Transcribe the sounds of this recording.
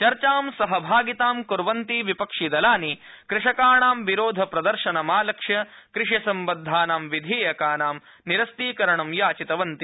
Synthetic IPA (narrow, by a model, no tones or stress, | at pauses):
t͡ʃɐɾt͡ʃaːmsɐɦɐbʱaːɡit̪aːmkuɾʋɐnt̪iʋipɐkʂid̪ɐlaːni | kɾɪʂɐkaːɳaːmʋiɾoːd̪ʱɐpɾɐd̪ɐɾʃɐnɐmaːlɐkʂjɐ | kɾɪʂjɐsɐmbɐd̪ʱːaːnaːmʋid̪ʱeːjɐkaːnaːm | niɾɐst̪iːkɐɾɐɳɐmjaːt͡ʃit̪ɐʋɐnt̪i